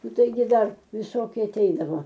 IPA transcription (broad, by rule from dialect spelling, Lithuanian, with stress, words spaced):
ˈnʊ ˈtɐɪɡʲɪ ˈdɐr ʋʲɪˈsoːkʲɪ ɐˈtʲɛɪdɐʋoː